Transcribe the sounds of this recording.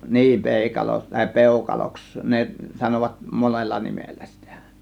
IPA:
niː peˑikɑlo tɑˑe̝ peˑukɑloks ne sɑnoʋɑt monelːɑ nimelːæ si̥tæ̥

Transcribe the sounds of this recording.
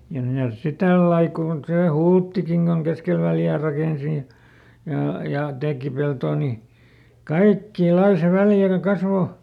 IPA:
jɑ mitæs si tælːɑi kuˑn seˑ hultːikiŋ ɡ̊oŋ keskel ʋæljæː rɑkeˑnsi jɑ jɑˑ jɑ teˑki peltoː ni kɑikːiː lɑi se kɑsʋo

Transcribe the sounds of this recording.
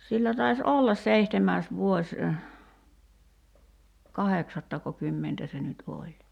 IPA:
silːæ tɑis olːɑs seihtemæːs ʋuosʲ kɑheksɑtːɑkokymːentæ se nyt olʲ

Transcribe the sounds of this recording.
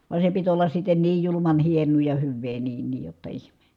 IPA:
ʋɑ se pit olːɑs sitːen niːj julumɑn hienˑuː jɑ hyʋːeː niːn niːj jotːɑ ihme

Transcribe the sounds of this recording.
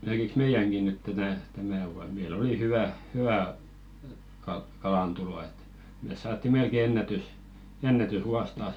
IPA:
merkiks meijæŋki nyt tætæ tæmæ ʋuɑn meil oli hyʋæ hyæ kɑlɑntulo et meˑs sɑːtːi melke enːætys enːætysʋuɑs tɑːs

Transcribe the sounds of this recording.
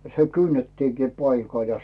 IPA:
se kynːetːiŋkiˑ pɑikɑl jɑ

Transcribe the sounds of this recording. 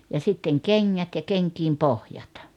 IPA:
jɑ sitːeŋ keŋːæt jɑ keŋkiːm pohjɑt

